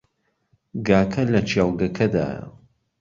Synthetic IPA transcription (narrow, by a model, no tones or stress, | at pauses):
ɡaːkʰɐlɐt͡ʃʰjawɡɐkʰɐd̪a̰ːj̰